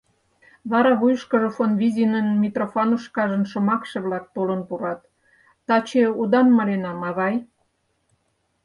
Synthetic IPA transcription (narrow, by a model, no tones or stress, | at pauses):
βɑɾɑβujʃkə̆ʒefonβizinənmʲit̪rofɑnuʃkɑʒə̆nʃŏmɑkʃeβlɑk̚t̪olənpuɾɑt̪ː | ɑt͡ɕeud̪ɑnmɑlenɑmɑɣɑj